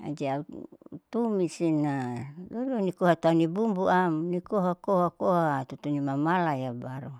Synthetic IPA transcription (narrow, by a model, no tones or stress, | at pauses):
a̰d͡ʒeaut̪umisinadodonikoɦat̪uanibumbuamnikoɦakohakoɦat̪ut̪unimamalajabaɾo